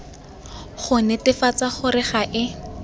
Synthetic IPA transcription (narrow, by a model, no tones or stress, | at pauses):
χʊnɛtɪfat͡saχʊrɪχaʔɪ